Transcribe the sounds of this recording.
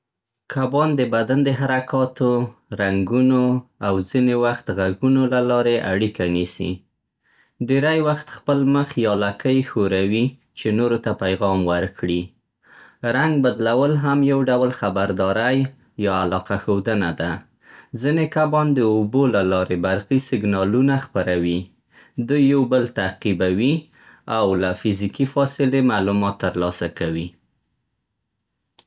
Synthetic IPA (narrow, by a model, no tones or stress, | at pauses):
kʰabɑnd̪əbad̪and̪əɦaɾakɑt̪oɾaŋɡunoawzinewaxt̪ɣaɡunolalɑɾeʔaɽikanisḭ | ɖeɾajwaxt̪xpəlməxjɑlakəjxoɾawi | t͡ʃenoɾot̪apajɣɑmwəɾkɽi | ɾaŋɡ̚bad̪lawəlɦamjawɖawlxabaɾd̪ɑɾaj | jɑalɑqaxowd̪ənad̪a | zinekabɑnd̪əobolalɑɾebaɾɣisɪɡnɑlunaxpaɾawi | d̪ujːawbəlt̪aqibawi | awlafɪzikifɑsɪlemalumɑt̪ːəɾlɑsakawi